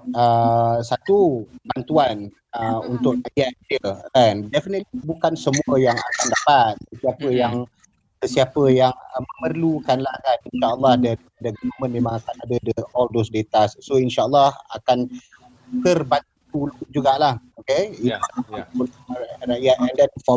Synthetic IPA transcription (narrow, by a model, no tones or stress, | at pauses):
əsat̪ubant̪uan | əunt̪ʊk̚rajat̪̚əɛndɛfinət̪̚libukansəmuəjaŋa̰kandapat̪̚səsiapəjaŋ | səsiapəjaŋməmərlukanlahaninʃaəlːɑhdaniadəɡunəmə̃nmẽmãŋakanadədəɔldosdet̪asːoinʃaəlːɑha̰kan | t̪ərbant̪ul̚d͡ʒuɡaʔlahokeiəlaraʔjat̪̚ɛndɛnfɔ